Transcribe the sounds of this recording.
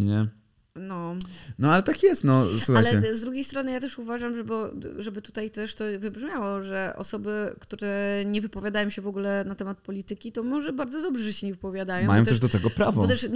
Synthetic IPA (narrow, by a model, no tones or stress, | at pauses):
ɲɛ | nɔnɔalɛt̪akjɛst̪nɔsuxajlt͡ɕɛɛzd̪ɾuɡʲejst̪ɾɔnɘjat̪ɛʂuvaʐamʐɛbɔʐɛbɘt̪u̥t̪ajt̪ɛʂt̪ɔvɘbʐmʲjawɔʐɛʔɔ̰sɔbɘkt̪uɾɛɲɛvɘpɔvʲjad̪ajɔ̃w̃ɕɛvɔɡulɛnat̪ɛmat̪̚pɔlʲit̪ɘkʲit̪ɔmɔʐɛbaɾd̪zɔd̪ɔbʐɛʐɛɕɛɲɛvɘpɔvʲjad̪ajmɔ̃wmãjɔ̃wt̪ɛʐd̪ɔt̪ɛɡɔpɾabvɔɔt̪ɛʂ